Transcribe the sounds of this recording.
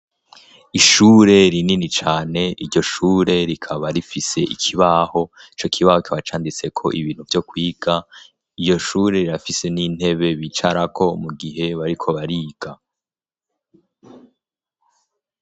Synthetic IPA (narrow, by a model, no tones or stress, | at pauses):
iʃuːɾe̞ɾininit͡ʃaːne̞iɾɟo̞ʃuːɾe̞ɾikʰaβaɾifise̞ʔḭkʰiβaho̞it͡ʃo̞kʰiβahokʰiβat͡ʃaːndit͡se̞kʰo̞̰ʔḭβiːn̥huvjo̞kwiːɡ̥a | ijo̞ʃuːɾe̞ɾiɾafise̞nin̥e̞βe̞βit͡ʃaɾakʰo̞muɡiɦe̞βaɾikʰo̞βaɾiːɡ̥a